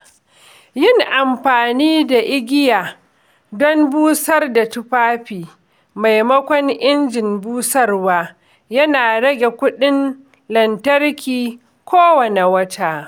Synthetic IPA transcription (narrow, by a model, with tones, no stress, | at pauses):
jɪ˦˨ŋʔa˨mɸaː˨niː˦da˨ʔɪ˦ɡʲɪ˦jaː˨ | dɔ˦mbuː˦sɐ˦rda˨tʊ˦ɸaː˦ɸiː˨ | ma˨jmɐ˦kʷɔ˦ŋʔɪ˦nd͡ʒɪ˨nbuː˦sɐ˦rwaː˦ | jɐ˦naː˨ɽɐ˦ɡʲe˨kʷʊ˦ɗɪ˦n | lɐ˨ntɐ˦rkʲiː˨ | kʷʰoː˦wɐ˨ne˨wɐ˦tʰaː˦˨